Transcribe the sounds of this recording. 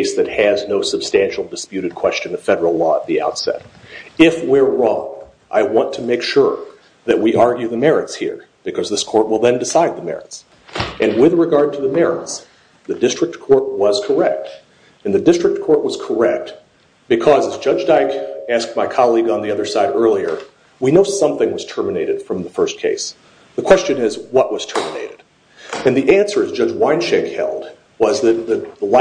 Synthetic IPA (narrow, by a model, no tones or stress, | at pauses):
ɪsðɨt̚hɨznoʊsɨb̥stæ̃nʃl̩ˠdɨspjʉɾɨd̚kʰw̥ɛst͡ʃɨ̃nɨ̥fɛɾə˞l̩ˠlɔə̰t̪̚ðia̰ʊtsɛ̰ɾɪfwɪɹːɔ̰̃ŋ | ʔa̰ɪwɑ̃ntʰɨmeɪkʃʊɹ | ðɨʔ̚wiʔɑɹɡjʉðɨmɛɹɨtshḭɹ | b̥ɨkʰʌzðɪskʰɔɹt̚wəlˠðɨ̃ndɨsaɪd̪̚ðəmɛ̰ɹɨts | ʔɨ̃nwɪðɹɨɡɑɹd̚tʰɨðɨmɛɹɨ̰ts | ðɨdɪstɹ̥ɨk̚tkʰɔɹt̚wʌz̥kʰə˞ɛk̚t | ɨ̃nðɨdɪstɹ̥ɨk̚kʰɔɹʔwʌz̥kʰə˞ɛk̚t̚ | b̥ɨkʰʌzɨzd͡ʒʌd͡ʒdaɪkæsk̚t̚maɪkʰɑlˠiɡ̃n̩ðiʌðə˞saɪɾɜ˞lˠiə̰˞ | winoʊsʌ̃mθɪ̃ŋwʌz̥tʰɜ˞mɨneɪɾɨd̥fɹʌ̃mðəfɜ˞stkʰeɪs | ðəkʰw̥ɛst͡ʃɨ̃nɪzwʌʔ̚wʌz̥tʰɜ˞mɨnḛɪɾɨd̥ | ɨ̃nðiʔæ̃nsə˞ɨzd͡ʒʌd͡ʒwãɪ̃nʃɛ̃khɛ̰lˠd̚ | wʌzðɨt̪̚ðɨðəl